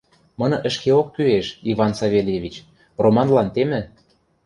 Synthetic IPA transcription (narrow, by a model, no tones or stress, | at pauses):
mɤ̆nɤ̆ʔə̆ʃkeokːyeʃivɑnsɑβʲelʲjevʲit͡ɕ | romɑnlɑnt̪emɘ̆